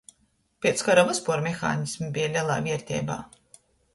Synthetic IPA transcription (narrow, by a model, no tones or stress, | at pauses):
pʲiɛt̪skaɾavaspuɔːɾmʲexa̰ːnismbʲijalʲiɛlˠa̰ːvʲiɛɾt̪ʲɛ̰ːba̰ː